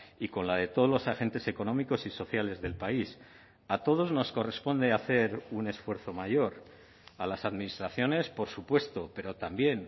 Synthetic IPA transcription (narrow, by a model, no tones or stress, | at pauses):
iko̞nlað̞e̞t̪o̞lo̞saxe̞nt̪e̞se̞ko̞nõ̞miko̞siso̞θjale̞zðe̞lpais | at̪o̞ð̞o̞zno̞sko̞re̞spo̞nd̪e̞aθe̞ɾune̞sfwe̞ɾθo̞maʝo̞ɾ | alasaðminist̪ɾaθjo̞ne̞spo̞ɾsupwe̞st̪o̞pe̞ɾo̞t̪ambje̞n